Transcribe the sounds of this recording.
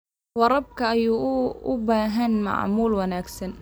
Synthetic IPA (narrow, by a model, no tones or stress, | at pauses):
wɑɾˤɑb̚kʰɐɐjuːʊ̰baːɦɐnmɑ̰ʕmuːlwɐnaːɡsɐn